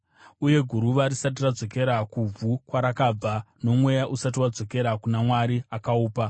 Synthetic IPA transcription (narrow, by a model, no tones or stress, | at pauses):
uje̞ɡʱuɾuʋaɾisat̬irad͡zo̞ke̞ɾakub͡vʱukwaɾakaːb͡vano̞mwe̞jaʔusat̬iwad͡zo̞ke̞ɾakunamwaɾiakauːpa